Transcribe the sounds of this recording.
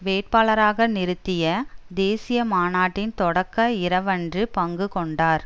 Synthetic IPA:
ʋeːʈ̚paːlɐɾaːɣɐnɪɾɯt̪ːɪjɐd̪eːsɪjɐmaːnaːʈːɪnt̪ɔɽɐkːɐɪɾɐʋɐndrɯpɐŋɡɯkɔɳɖaːɾ

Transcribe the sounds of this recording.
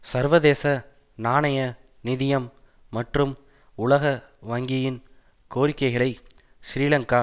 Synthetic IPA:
sɐɾʋɐðeːsɐ | naːɳɐjɐ | nɪðɪjɐmː | ɐʈrɯm | ʊɭɐɣɐʋɐŋɡɪjɪn | koːɾɪkːɐɪɣɐɭɐɪ | ʃɾiːlɐŋkaː

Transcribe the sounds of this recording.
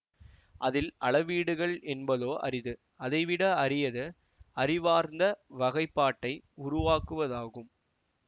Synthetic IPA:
ʔɐðɪlɐɭɐʋiːɽɯɣɐɭɛnbɐðoːʔɐ̰ɾɪðɯ | ʔɐðɐɪʋɪɽɐɐɾɪjɐðɯ | ɐɾɪʋaːɾnd̪ɐʋɐɣɐɪpːaːʈːɐɪʊɾʊʋaːkɯʋɐðaːɣɯm

